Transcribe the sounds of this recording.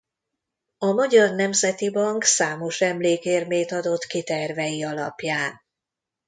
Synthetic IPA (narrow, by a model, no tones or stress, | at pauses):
ɒmɒɟɒrnɛmzɛt̪ibɒŋksaːmo̞ʃɛmleːkeːrmeːt̪ɒd̪o̞t̪kit̪ɛrvɛjiɒlɒ̰pjaːn